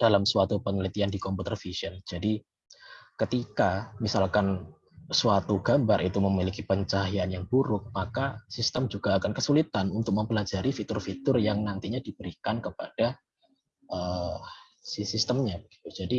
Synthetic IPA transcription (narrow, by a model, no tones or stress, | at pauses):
d̥alamsuat̪upənəlit̪iandikɔmput̪ərfisiɔnd͡ʒ̥adi | kət̪ikamisalkan | suat̪uɡ̥ambaɾʔit̪uməmilikipəɲt͡ʃaɦianjaŋbuɾʊk̚makasist̪əmd͡ʒuɡ̥aːkankəsulit̪anunt̪ʊk̚məmpəlad͡ʒaɾifit̪ʊrfit̪ʊrjaŋnant̪iɲadibəɾikankəpad̥a | ʔə | sisist̪əmɲabəɡ̥i̥t̪ud͡ʒadi